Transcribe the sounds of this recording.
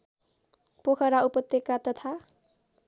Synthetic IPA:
pokʰʌɾaupʌt̪ːekat̪ʌt̪ʰa

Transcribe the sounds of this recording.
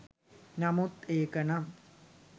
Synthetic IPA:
namut̪eːkəna

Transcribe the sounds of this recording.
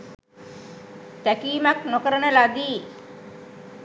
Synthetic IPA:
t̪ækiːmaknokəɾənəlad̪iː

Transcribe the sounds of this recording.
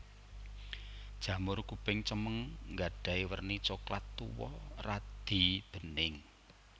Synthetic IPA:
d̥ʒ̥ä̤mʊrkupɪŋt͡ʃəməŋŋɡaɖ̥a̤iwərnit͡ʃoklat̪ːuwɔ̰rad̪̥i̤b̥ə̤nɪŋ

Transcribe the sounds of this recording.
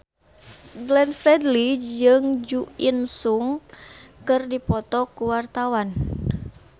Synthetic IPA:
ɡlɛnfɾɛdlid͡ʒɨŋd͡ʒuinsuŋkɨrdipɔt̪ɔkuwart̪awan

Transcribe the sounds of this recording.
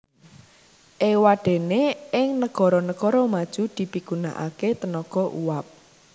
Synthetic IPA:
ʔewaɖ̥ɛ̤neɪŋnəɡ̥ɔ̤ɾɔnəɡ̥ɔɾɔmad̥ʒ̥ṳd̪̥i̤piɡ̥ṳna̰ʔa̰ket̪ənɔɡ̥ɔʔṵwap̚

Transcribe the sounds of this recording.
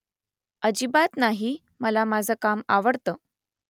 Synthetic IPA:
əd͡ʑibat̪naɦi | məlamad͡zʱəːkamaʋəɽt̪əː

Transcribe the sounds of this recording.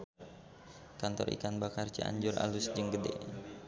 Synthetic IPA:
kant̪ɔrʔḭkanbakart͡ʃəa̰ɲd͡ʒʊra̰lusd͡ʒəŋɡədɛ̰

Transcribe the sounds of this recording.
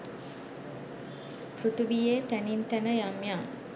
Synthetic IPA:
prut̪ubijet̪ænint̪ænəjamjaŋ

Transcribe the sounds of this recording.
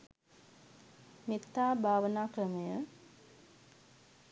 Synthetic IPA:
mit̪ːaːbʱaːʋənaːkrəməjə

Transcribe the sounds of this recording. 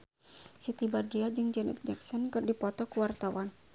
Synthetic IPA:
sit̪ibadɾiad͡ʒɨŋd͡ʒɛnɛ̰t̪̚d͡ʒaksɔnkɨrdipɔt̪ɔkuwart̪awan

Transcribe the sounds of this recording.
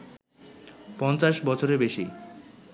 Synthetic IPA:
pɔnt͡ɕaʃbɔt͡ɕʰoɾebeʃi

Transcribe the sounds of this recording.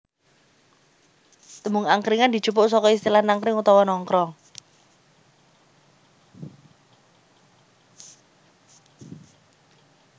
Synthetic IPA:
t̪əmuŋaŋkɾɪŋand̪i̤̥d͡ʒ̥ṳpʊʔsɔkɔist̪ilahnaŋkɾɪŋut̪ɔwɔnɔŋkɾɔ

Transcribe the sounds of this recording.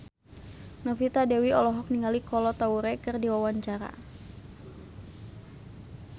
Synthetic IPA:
nɔfit̪adɛwiɔlɔɦɔk̚niŋalikɔlɔt̪auɾɛkɨrdiwawaɲt͡ʃaɾa̰

